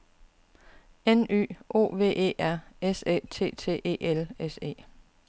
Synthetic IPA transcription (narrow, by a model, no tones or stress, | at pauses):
eny̰ːʔo̝̰ːʋe̝̰ːʔe̝̰ːʔæɐ̰esḛːt͡sʰe̝̰ːt͡sʰe̝̰ːʔe̝̰ːelese̝̰ː